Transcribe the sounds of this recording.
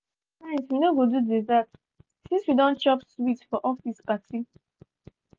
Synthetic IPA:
tãnswinoɡodudɛzat | sĩnswidɔ̃nt͡ʃɔpswitfɔʔɔfispasi

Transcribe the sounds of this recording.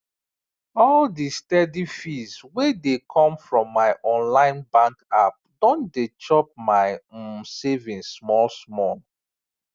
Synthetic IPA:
ɔldistɛdifizwedekʰɔ̃mfɹɔ̃mːaɪʔɔ̃nlãɪ̃nbãŋkap̚dɔ̃ndet͡ʃɔp̚maɪsevĩnsmɔlsmɔl

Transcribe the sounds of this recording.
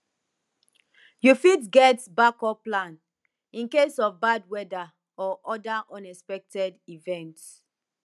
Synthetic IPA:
jufitɡɛtbakɔplãn | ĩnkesɔvbad̚wɛda | ɔʔɔdaʔɔ̃nɛspɛk̚tɛdivɛ̃nt

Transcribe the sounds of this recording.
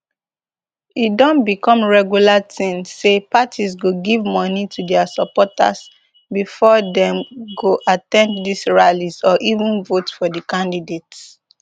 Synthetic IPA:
idɔ̃nbikɔ̃mɹɛɡjulatʰĩnsepatʰizɡoɡivmɔnitʰudɛasɔpɔta̰s | bifɔdɛ̃mɡoʔatɛ̃nddisɹalizɔʔivũnvotfɔdəkãndidets

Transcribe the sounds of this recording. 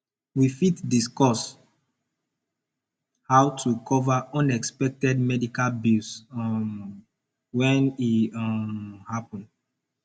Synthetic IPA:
wifitdiskɔs | hawtʰukʰɔvaʔɔ̃nɛkspɛk̚tɛd̚mɛdikalbilsm | wɛ̃niɔmhapɔ̃nd

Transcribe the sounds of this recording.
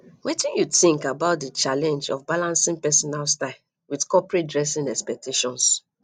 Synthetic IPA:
wetĩnjuθĩŋkabaʊt̚dət͡ʃalɛ̃nd͡ʒɔ̰fbalãnsĩŋpɛsɔnalstaɪl | widkɔpɹet̚dɹɛsĩnɛkspɛk̚tʰeʃɔ̃ns

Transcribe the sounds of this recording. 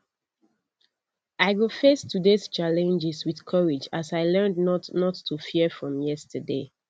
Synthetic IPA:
aɪɡofestʰːudest͡ʃalɛ̃nd͡ʒɪswið̥kʰɔɹid͡ʒasaɪlɜ̃˞ndnɔtnɔtʰːufiəfɹɔ̃mjɛstʰəde

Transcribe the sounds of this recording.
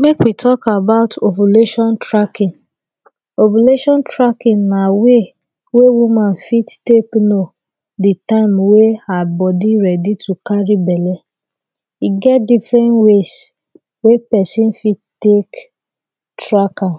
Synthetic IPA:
mekwitʰɔkabaʊtobuleʃɔ̃ntɹakĩn | obuleʃɔ̃ntɾakĩnnawe | wewumãn̩fittekno | ditãɪmweabɔdiɾɛditukaɾibɛlɛ | iɡɛt̚difɾɛ̃nwes | wepɛsĩn̩fitek | tɾaka

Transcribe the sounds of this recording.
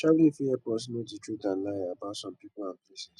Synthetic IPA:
t͡ʃawlifiɛpɔtsnoditɹetãn̩laabatsɔ̃mpipʊlãnplesiz̥

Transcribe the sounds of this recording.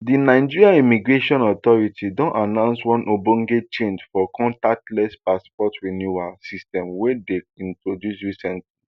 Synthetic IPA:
dinaɪd͡ʒiɹiaimiɡɹeʃɔ̃nɔt̪ɔɹitʰidɔ̃nanãʊ̃nswɔ̃nʔobõŋɡet͡ʃẽnd͡ʒfɔkʰɔ̃ntak̚tlɛspaspɔtɹinjuasistɛ̃mwɛdeĩntɹodjusɹisɛ̃ntli

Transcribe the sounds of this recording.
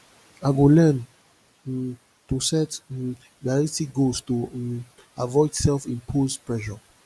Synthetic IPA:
aɡolɛn | tusɛt | ɡaɹitiɡostu | avɔɪdsɛlfĩnpʰozpɹɛʃɔ

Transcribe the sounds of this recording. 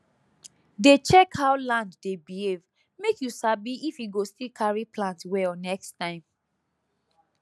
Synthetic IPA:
det͡ʃɛkhaʊlãnddebihev | mekjusabiifjiɡostilkʰaɹiplãntwɛɔnɛkstãɪ̃m

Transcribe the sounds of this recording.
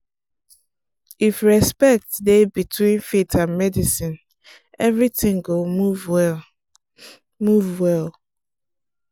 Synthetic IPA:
ifɹɛspɛk̚tdebitʰwĩnfitʰãnmɛdisĩn | ɛvɹitĩŋɡouv | muvwɛl

